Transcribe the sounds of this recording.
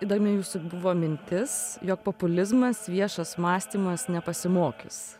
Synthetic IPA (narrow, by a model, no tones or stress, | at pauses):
id̪ɐɾmʲɪjuːsʊbʊʋoːmʲɪnʲt̪ʲɪsjoːk̚popʊlʲɪzmɐsʋʲiɛʃɐsmɑːsʲt̪ʲiːmɐsnʲɛpɐsʲɪmoːkʲɪs